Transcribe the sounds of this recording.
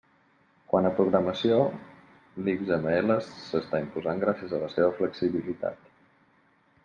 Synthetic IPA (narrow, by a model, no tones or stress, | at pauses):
kwanəpɾuɣɾəməsio | likzəməeləsːəst̪aimpuzaŋɡɾasiəzələseβəfləksiβilit̪a̰t̪